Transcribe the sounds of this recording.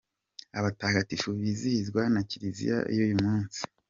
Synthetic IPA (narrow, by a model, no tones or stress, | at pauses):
aβataːŋɡatifuβizihizɡwanaciɾizḭja̰ḭjujumuːnsi̥